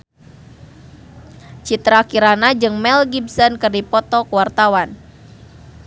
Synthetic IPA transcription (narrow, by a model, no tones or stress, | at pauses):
t͡ʃit̪ɾakiɾanad͡ʒɨŋmɛlɡibsɔnkɨrdipɔt̪ɔkuwart̪awan